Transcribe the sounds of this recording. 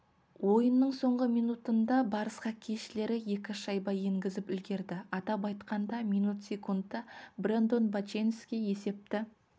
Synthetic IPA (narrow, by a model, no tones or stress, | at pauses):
wo̞jənːəɴso̞ɴʁəmijnut̪ənd̪ɑbɑɾəsqɑkʲʰeʃɪle̞ɾɪje̞kʲɪʃɑjbɑje̞ŋɡʲɪzɪpʏlɡʲe̞ɾd̪ɪɑt̪ɑpɑjt̪qɑnd̪ɑmijnut̪sʲe̞kund̪əbɾe̞nd̪o̞nbat͡ʃenskʲe̞je̞se̞p̚t̪ɪ